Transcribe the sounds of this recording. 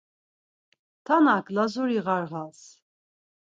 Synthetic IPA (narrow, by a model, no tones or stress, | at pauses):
t̪ʰanakʰlazuɾiʁaɾʁas